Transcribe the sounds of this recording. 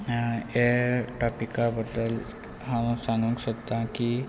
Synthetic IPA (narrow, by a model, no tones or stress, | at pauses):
eʈapikabəd̪ːəl | ɦãwsãŋɡũŋksəkt̪ãki